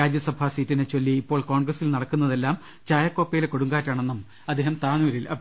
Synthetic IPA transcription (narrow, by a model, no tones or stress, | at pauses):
aːd͡ʑjɐsɐbʱaːsiːtːinet͡ɕo̞lːiːpːo̞ːɭko̞ːɳɡrɐsilnɐɽɐkːunːɐðe̞lːaːm | t͡ɕaːjɐkːo̞ːpːɐjileko̞ɽuŋɡaːtːaːɳenːɐm | ɐd̪ːeːhɐmt̪aːnuʋɐɾilʔɐ̰